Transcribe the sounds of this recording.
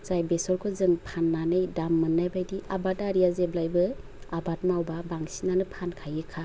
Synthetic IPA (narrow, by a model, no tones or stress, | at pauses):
z̥ajbesɔɾkʰɔzɯŋpʰanːanɯjdamːɯnːajbajdiʔabataɾijazeblajbɯ | abat̚mawbabaŋsinanɯpʰankʰajɯkʰa